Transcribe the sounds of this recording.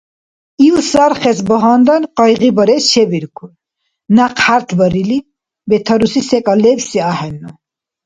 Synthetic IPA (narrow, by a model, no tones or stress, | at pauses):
iusaɾχɛsbəɦɑnd̪anqʼɑjʁibəɾɛsʃɛbiɾkʰu | naqhaɾt̪ʰbəɾili | bɛt̪ʰɐɾusisɛkʼalɛbsiahɛnːu